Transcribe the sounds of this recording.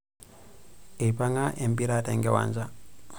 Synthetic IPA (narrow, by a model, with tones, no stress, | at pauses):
e˨pa˦ŋa˦ʔe˨mbi˦ɾatɛŋɡɛ˦wa̰˨nza